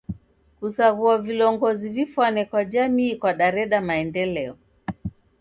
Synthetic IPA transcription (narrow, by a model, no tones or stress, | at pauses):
kusaɣuavilɔŋɡɔzivifwanɛkwad͡ʒamiːkwaɗaɾɛɗamaɛndɛlɛɔ